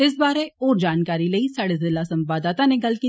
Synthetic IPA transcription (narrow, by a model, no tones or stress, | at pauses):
ɪs̬baːɾeoːɾd͡ʒaːnkaːɾiləisaːɽezɪlasɐmbaːd̪aːt̪aneɡɐlkiː